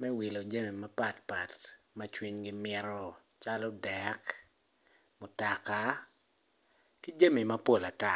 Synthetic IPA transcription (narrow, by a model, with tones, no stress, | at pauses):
mɛ˦wi˨lo˨d͡ʒa˦mi˨ma˦pa˦tpa˨t | ma˦t͡ʃwi˦ɲɡi˦mɪ˦ɾɔ˦ | t͡ʃa˦lɔ˦dɛk | mʊ˨ta˨ka˦ | ki˦d͡ʒa˦mi˨ma˦po˦˨la˨ta˦